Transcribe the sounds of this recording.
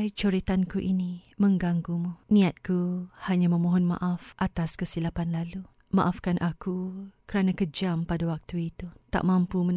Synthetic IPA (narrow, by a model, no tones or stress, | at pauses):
jt͡ʃoɾit̪ankuʔinimə̃ŋɡaŋɡumunĩat̪̚kuhaɲãmə̃mõɦɔnmã̰ʔafʔat̪askəsilapanlalu | ma̰ʔafkanʔakukəɾanãkəd͡ʒampadawak̚t̪uit̪ut̪a̰ʔmãmpumən